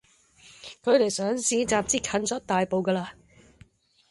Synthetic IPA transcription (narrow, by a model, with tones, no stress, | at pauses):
kʰɵ˨˧ɥle˨˩jsœː˨˥ŋsiː˨˧˥t͡saː˨p̚t͡siː˥kʰɐ˨˥nt͡sɔː˨˥t̚t̪aː˨jpo˨˧wkɐː˧laː˧